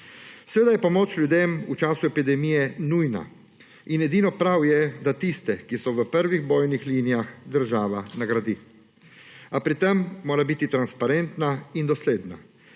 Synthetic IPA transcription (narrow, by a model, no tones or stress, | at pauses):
sʋeːd̪ajɛpɔmoːt͡ʃlʲjud̪emut͡ʃaːsuɛpid̪ɛmiːjɛnujna̰ | inɛd̪iːnɔpɾawjɛd̪at̪ist̪ɛkisɔʋəpəɾʋiɣboːjnixliːnijaxd̪əɾʒaːʋanaɡɾad̪iː | apɾit̪ɛmːoːɾabit̪it̪ɾanspaɾɛnt̪naind̪ɔsleːd̪na̰